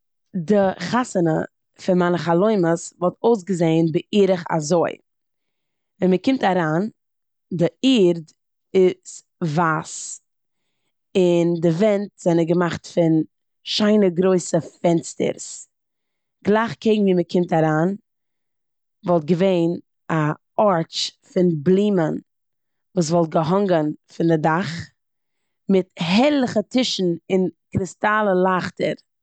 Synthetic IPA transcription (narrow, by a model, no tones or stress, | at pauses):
dɪχasənə̰ | fɪnmanəχalˠoɪməsvɔlˠtoʊs̬ɡəzeɪnbəʔiːɾəχa̰zoɪ | vɛnməkɪmtaɾaːn | dɪiːɾd | ɪt͡s | vaːs | ɪndɪvɛntz̥ɛnəɡəmaχtfɪn | ʃaɪnəɡɾoɪsəfɛnstə̰ɾs | ɡ̥lˠaɪχkʰeɪɡŋ̩viːməkʰɪmtaɾaːn | vɔlˠt̚ɡəveɪn | a | ɔɹt͡ʃfɪnblˠiːmən | vuːs̬vɔlˠt̚ɡəɦɔŋɡənfɪndɪdaχ | mɪthɛɾlˠəχətʰɪʃn̩ɪnkɾɪstalˠəlˠaχtəɾ